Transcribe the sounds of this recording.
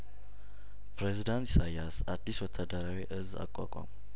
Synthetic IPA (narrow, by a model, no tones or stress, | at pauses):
pɾezid̪ant̪sajasad̪ːiswɔt̪ʰːad̪əɾawiʔɨza̰kʼːa̰kʷʼa̰m